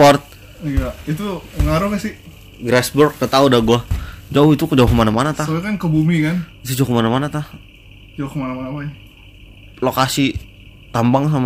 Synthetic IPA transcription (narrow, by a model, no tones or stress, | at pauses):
pɔrt̪̚ | jait̪̬uəŋaɾʊhkasɪ | ɡɾasbɔrkət̪audaɡuad͡ʒaʊit̪ukd͡ʒaukəmanamanat̪aaakankəbumikant̪ud͡ʒaukəmanamanat̪ah | d͡ʒaʊhkəmanamanapaj | lokasi | t̪ambaŋs̬ama